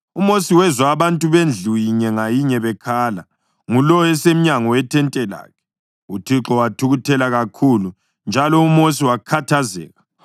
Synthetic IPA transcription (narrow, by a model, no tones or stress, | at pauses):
umosiwɛzwaːβantʼuβend͡ɮʱujiɲɛŋajiɲɛβɛkʰaːla | ŋulɔɛsem̩ɲaŋɔwɛtʰɛntʼɛla̰ːkʰɛ̥ | utʰiǁɔwatʰuɣutʰɛlaɣakʰulu | nd͡ʒʱalɔumos̬iwakʰatʰazɛ̰ːɣa